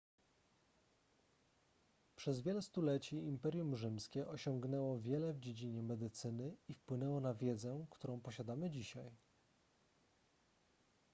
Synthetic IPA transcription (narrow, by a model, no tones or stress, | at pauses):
pʂɛzvʲjɛlɛst̪ulɛt͡ɕiːmpɛɾʲjumʐɘmskʲɛʔɔɕɔŋɡnɛwɔvʲjɛlɛvd͡ʑed͡ʑiɲɛmɛd̪ɘt̪sɘnɘifpwɘnɛwɔnavʲjɛd̪zɛkt̪uɾɔ̃w̃pɔɕad̪amɘd͡ʑiɕaj